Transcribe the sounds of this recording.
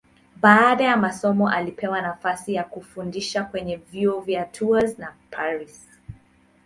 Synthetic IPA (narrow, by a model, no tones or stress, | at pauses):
ɓaːɗajamasɔmɔʔalipʰɛwanafasijakufundiʃakwɛɲɛvjuɔvjatʰuaznapʰaɾis